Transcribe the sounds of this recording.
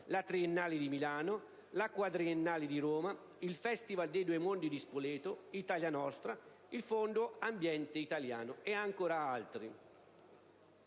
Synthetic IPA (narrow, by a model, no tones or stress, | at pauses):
lat̪ɾienːaːlid̪imilaːno | lakwad̪ɾienːaːlid̪iɾoːma | ilfɛst̪ivald̪ed̪uemond̪id̪ispoleːt̪oit̪aljanɔst̪ɾa | ilfonɖ̪ʊambjɛnt̪eit̪alja̰ːnʊɛaŋkoːɾaalt̪ɾi